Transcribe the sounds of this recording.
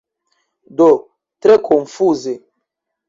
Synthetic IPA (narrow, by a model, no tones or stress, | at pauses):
d̪o | t̪ɾekʰɔ̃ɱfuze